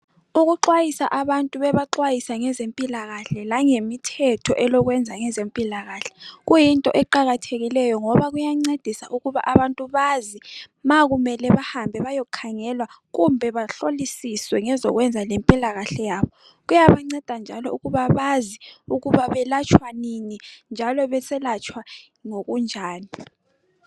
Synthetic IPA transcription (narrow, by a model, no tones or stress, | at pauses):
uɣuǃwajisaʔaβantʼuβɛβaǃwajisaŋɛzempʼilaɣaɬɛlaŋemitʰɛtʰɔʔɛlɔɣwɛnd͡zʱaŋɛzempʼilaɣaːɬɛ̥ɣujintʼɔ̰ʔɛǃaɣatʰeɣilɛjɔŋɔβaɣujaŋ͡ǀed̥ʱisaʔuɣuβa̰ʔaβantʼuβazimaɣumɛlɛβahambʱɛβajokʰaŋɛlwa | ɣumbʱɛβaɬolisiswɛŋɛzɔɣwɛnd͡zʱalempʼilaɣaɬɛjaːβɔ | ɣujaβaŋ͡ǀɛd̥ʱand͡ʒʱalɔuɣuβaβaziuɣuβaβɛlat͡ʃʼʰwaninind͡ʒʱalɔβɛsɛlat͡ʃʼwa | ŋoɣund͡ʒʱaːni